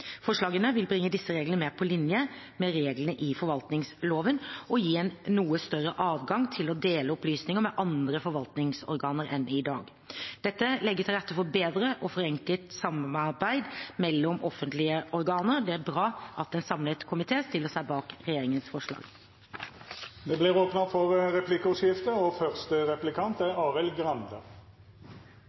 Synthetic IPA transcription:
fɔʂɭɑːɡənəʋɪlbɾɪŋːəd̪ɪsːəɾeːɡlənəmeːpʰɔlɪnjə | mɛɾeːɡlənəʔɪfɔɾʋɑlt̪nɪŋsloːʋənɔjiːɛnːuːəst̪œrːəʔɑːʋɡɑŋt̪ʰɪlɔd̪eːləɔplyːsnɪŋəmɛʔɑnd̪ɾəfɔɾʋɑlt̪nɪŋsɔ̰ɾɡɑːnəɾɛnʔɪd̪ɑ̰ːɡ | d̪̥ɛt̪ːəlɛɡːət̪ʰɪlɾæt̪ːəfɔbeːd̪ɾəʔɔfɔɾɛŋkəlt̪sɑmɑɑɾbæɪd̪mɛlːɔmɔfːənt̪lɪəʔɔɾɡɑːnəɾd̪ɛæɾbɾɑːʔɑt̪̚ɛnsɑmlət̪kʰʊmɪt̪ʰeːst̪ɪlːəsæɪbɑːkɾɛjeːɾɪŋənsfɔʂɭɑ̰ːɡ̥ | d̪ɛblɪʁoːpnɑfɔʁʁɛpʰlɪkəʊskɪft̪əɔfœʁst̪əʁɛplɪkʰɑnt̪æɑːʁɛlɡʁɑnd̪ə̰

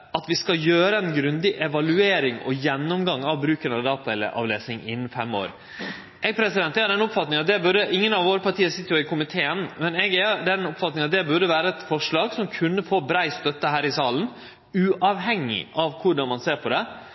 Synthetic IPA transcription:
ɑt̪ʋɪskɑljøːɾəɛnɡɾʉnd̪ɪʔɛʋɑlʉeːɾɪŋɔ̰jɛnːɔmɡɑŋːɑʋbɾʉːkənɑʋd̪ɑːt̪ɑɛlːə̰ʔɑ̰ʋleːsnɪŋɪnːn̩fɛmːo̰ːɾ | ʔɛɡpʰɾɛsɪd̪ɛnt̪æɑɖ̪ɛnʊpfɑt̪nɪŋɑt̪̚d̪ɛbʉɾəʔɪŋːənɑʋʋoːɾəpɑɾʈʰiːəsɪt̪ːəjʊɪkʰʊmɪt̪ʰeːənmɛnɛɡæɖɛnʊpfɑt̪nɪŋɑt̪̚d̪ɛbʉɖəʋæːɾəɛt̪fɔʂɭɑːɡsɔmkʰʉnːəfoːbɾæɪst̪œt̪ːəɦæːɾɪsɑːlən̩ | ʉːʔɑʋɦɛŋːɪ̰ʔɑʋkʰʊɖɑnmɑnseːɾpʰɔd̪ɛ

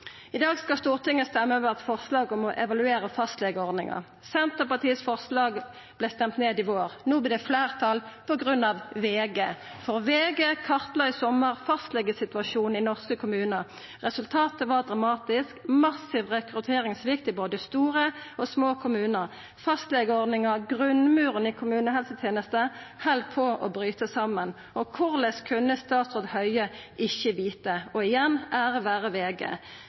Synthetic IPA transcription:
ɪd̪ɑːɡskɑlst̪uːʁt̪ɪŋːəst̪ɛmːøːʋəʁɑt̪fɔʁslɑːɡɔmɔʔɛʋɑlʉeːʁəfɑst̪lɛɡəɔʁd̪nɪŋə̰ʁ | sɛnt̪əpɑt̪ʰiːəsfɔʁslɑːɡ | b̥lɛst̪ɛmt̪neːd̪ɪʋoːʁnuːblɪd̪ɛflæːʁt̪ʰɑlpʰɔɡʁʉnɑʋʋeːɡeːfɔʁʋeːɡekʰɑʁt̪ləɪsɔməʁfɑst̪lɛɡəsɪt̪ʉɑʃuːn̩ɪnɔʁskəkʰʊmʉːnə | ʁɛsʉlt̪ʰɑːt̪əʋɑʁd̪ʁɑmɑːt̪ɪskmɑsɪʋʁɛkʁʉt̪ʰeːʁɪŋsʋɪkt̪ɪboːd̪əst̪uːʁəɔsmoːkʰʊmʉːnəʁ | fɑst̪lɛɡəɔʁd̪nɪŋəʁɡʁʉnmʉːʁənɪkʰʊmʉːnəɦɛlsət̪ʰjeːnəst̪əhɛld̪̚pʰɔʔɔ̰bʁyːt̪əsɑmən | ɔkʰʊʁlɛskʰʉnːəst̪ɑːt̪sɔd̪hœʏəʔɪçəʋiːt̪əɔɪjɛnæːʁəʋæːʁəʋeːɡḛː

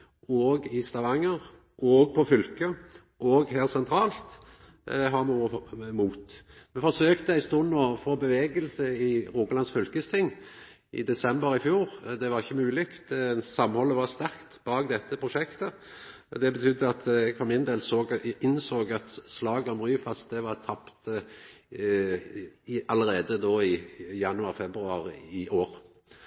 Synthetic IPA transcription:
oːɡɪst̪ɑʋɑŋːəɾ | ʔɔɡ̚pʰɔfʏlkə | ʔɔɡheːlsɛnt̪ʰɾɑːlt̪ | ɦɑmuːmuːt̪mɛfɔsøːkt̪əæɪst̪oːnoːfoːbəʋeːɡəlsəɪɾuːkəlɑnsfʏlkəst̪ʰɪŋː | ʔɪ̰d̪ɛsɛmbəɾɪfjuːɾd̪ɛʋɑɾɪçːəmʉːlɪkt̪sɑmhɔlːəʋɑst̪æɾkt̪bɑːɡd̪ɛt̪ːəpʰɾʊʂɛkt̪ə | d̪ɛbət̪ʰʏd̪ːəɑt̪fɔɾmɪnd̪eːlsoːɡɪnsoːɡɑt̪slɑːɡəɔmʁyːfɑst̪̚d̪ɛʋɑɾt̪ʰɑpt̪ | ʔɑləɾeːd̪əd̪oːɪjɑnʉɑʁfɛbɾʉɑɾɪʔoːɾ

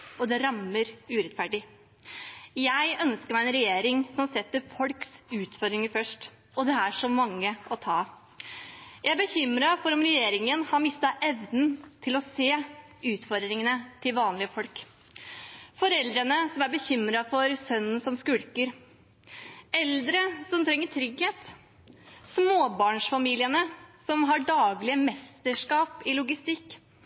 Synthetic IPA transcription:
ɔd̪ɛɾɑmːəɾʉːɾɛt̪fæɖɪ | jæɪœnskəɾmæɪɛnɾɛjeːɾɪŋsɔmsɛt̪ːəɾfɔlksʉːt̪fɔɾd̪ɾɪŋəɾfœʂʈ | ɔd̪ɛæʂɔmɑŋːəɔt̪ʰɑː | jæɪæbəçʏmɾɑfɔɾɔmɾɛjeːɾɪŋənhɑɾmɪst̪ɑʔɛʋd̪n̩t̪ʰɪlɔseː | ʉːt̪fɔɾd̪ɾɪŋənət̪ʰɪlʋɑːnlɪəfɔlk | fɔɾɛld̪ɾənəsɔmæɾbəçʏmɾɑfɔɾsœnːən̩sɔmskʉɽkəɾ | ɛld̪ɾəsɔmt̪ʰɾɛŋːəʈ̪ʰɾʏɡheːt̪ | smoːbɑːɳʂfɑmiːlɪənəsɔmɦɑɖɑːɡlɪəmɛst̪əʂkɑːpɪlʊɡɪst̪ɪkː

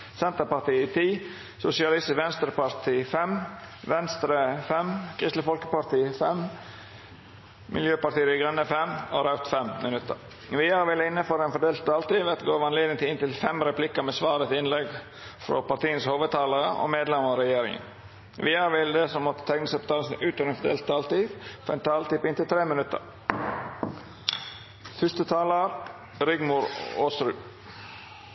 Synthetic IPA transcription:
sɛnt̪əɾpɑɾt̪iːt̪ʰiː | sʊsɪɑlɪst̪ʋɛnst̪ɾəpɑɾt̪ʰiːfɛmʋɛnst̪ɾəfɛmkʰɾɪst̪ləfɔlkəpɑɾt̪iːfɛm | mɪ̰ljøːpɑʈt̪iːɪɡɾœnːəfɛmɔɾɑʉt̪fɛmmɪnʉt̪ːə̰ɾ | ʋɪhɑɾʋɪlːəɪnːəføːɾɛnfɔɖeːlt̪̚d̪ɑːlt̪ɪːʋɛːt̪ɡoːʋɑnleːd̪ɪŋt̪ɪɪnt̪ɪlfɛmɾɛpʰlɪkːəmɛsʋɑːɾət̪ɪnlɛɡ | fɾɔ̰pɑt̪iːənshoːʋəd̪̚t̪ʰɑːlɑɾəʔɔ̰meːd̪lɛməɔɾɛjeːɾɪ̰ŋə̰n | ʋɪhɑɾʋɪld̪əsɔmːɔt̪ːə̥t̪ʰɛknəsəpːt̪ʰɑːləsnʉːt̪ɔɾɛnfɔd̪ḛːlt̪̚t̪ʰɑːlt̪iʋfɔɛnt̪ʰɑːlt̪ɪpɪnt̪ɪlt̪ʰɾeːmɪnʉt̪ə̰ɾ | fʏst̪ət̪ʰɑːləɾ | ɾɪɡmʊɾoːsɾʉ̰ː

